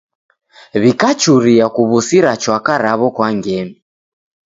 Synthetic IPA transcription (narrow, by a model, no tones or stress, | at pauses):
βikat͡ʃuɾiakuβusiɾat͡ʃwakaɾaβɔkwaŋɡɛmi